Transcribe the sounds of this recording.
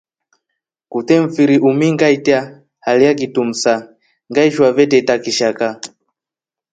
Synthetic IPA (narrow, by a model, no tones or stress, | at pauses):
kut̪ɛɱ̩fiɾiʔumiŋɡaitɛa | halijak̬itum̩sa | ŋɡaiʃuwavɛtɛtakiʃaka